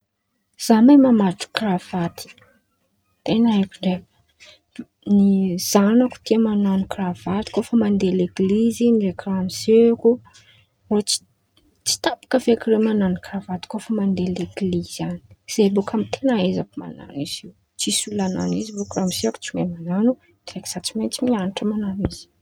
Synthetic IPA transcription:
z̥amamamaʈ͡ʂu̥krav̥at̪i̥ | t̪enaekuɳɖ͡ʐe | niz̥anaku̥t̪iəmananukrav̥at̪i̥kofəmand̪eleɡlizimirekiramiseku | ot͡ʃi̥ | t͡si̥t̪apḁkəfekiremananukravat̪i̥kofəmand̪eleɡlizani̥z̥ebokʰamit̪ʰenaezapma̰na̰niz̥iw | t͡ʃisulana̰nizibukramiseaku̥t͡simemananu | d̪̥ireki̥z̥at͡ʃiment͡simianiʈ͡ʂəmananiz̥i̥

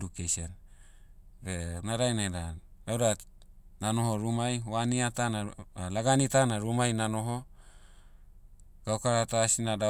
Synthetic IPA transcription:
dukeson | benaɾajnaeda | dada | nanoɦoɾumajwaniat̪analaɡanit̪anaɾumajnanoɦo | ɡ̥aukaɾat̪asinada

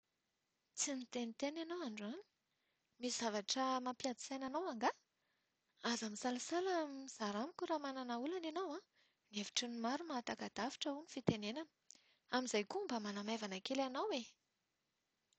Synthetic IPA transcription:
t͡simit̪enit̪enanawaɳɖ͡ʐani̥ | miz̥avaʈ͡ʂəmapiad̪i̥sajnanawaŋɡa | azamisalasalamiz̥aɾamikʲuɾamananaulanenawã | nevi̥ʈ͡ʂinimaɾumat̪akad̪̥afi̥ʈ͡ʂəunifit̪enenanə̥ | amizajkumbəmanamajvanakelanawwe

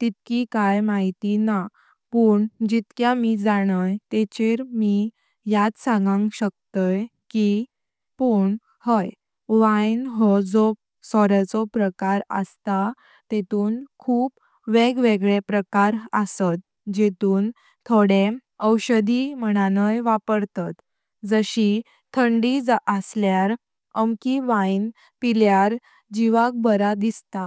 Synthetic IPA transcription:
t̪it̪kikajmaɦit̪ina | puːɳd͡ʑit̪kjamid͡zaɽ̃əjt̪et͡ɕeɾmi | jat̪sãŋɡãŋɡɕək̚t̪əj | ki | puɳ | həj | ʋajnɦɔd͡zo | sɔɾat͡sɔpɾəkaɾə̰st̪a | t̪et̪uːnkʰuːp | ʋeɡʋeɡɭepɾəkaɾəsət̪̚ | d͡ʑet̪uːn | t̪ʰoɽe | əwɕəd̪im̤əɽ̃anəjʋapəɾt̪at̪ | d͡zəɕi | t̪ʰəɳɖid͡zəsljaɾ | əmkiʋain | piljaɾ | d͡ʑiʋak̚bəɾad̪ist̪a

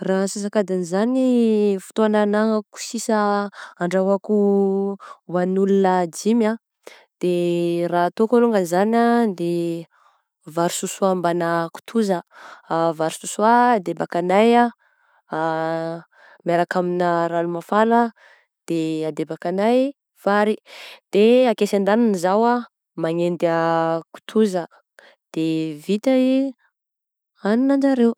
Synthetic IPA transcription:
raɦsis̬akad̪anizanifu̥t̪oananaŋəku̥sisaːɳɖ͡ʐaɦaku | wanulunad͡ʒima | d̪̥erat̪okoluŋɡanizanad̪e | vaɾususuambanaku̥t̪ʰuzə | vaɾisusuaːd̪ebakanaja | maɾakaminəɾalumafalə | d̪̥ead̪ebakanaj | faɾid̪̥eakesand̪aninizawa | maŋend̪aku̥t̪ʰuzə | d̪̥evit̪ai | aninand͡ʒaɾew

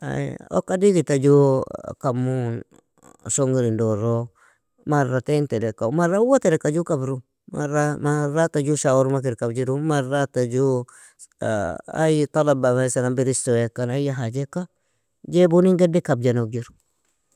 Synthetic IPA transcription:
a̰o̰kːadiɡitad͡ʒukamːun | soŋɡiɾindoɾo | maratentɛdekamaɾawatedekad͡ʒukabɾu | ma̰ɾamaɾatad͡ʒuʃawuɾumak̬iɾkabd͡ʒiɾumaɾatad͡ʒṵ | a̰jt̪alabamasanambiɾistowekːanajaɦad͡ʒekːa | d͡ʒebuniŋɡedikab̚d͡ʒanod͡ʒiɾu

